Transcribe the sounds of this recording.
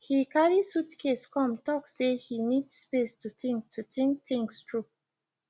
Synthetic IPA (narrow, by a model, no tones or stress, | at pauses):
hikʰaɹisutkʰeskʰɔ̃mtɔksehinidsspestutĩŋk̚tʰutĩŋk̚θĩŋstɹu